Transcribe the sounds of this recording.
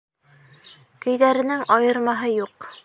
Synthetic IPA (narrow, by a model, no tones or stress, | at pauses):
kɵ̆jðæɾɘ̆nɘŋɑjɤ̆ɾmɑɦɤjuq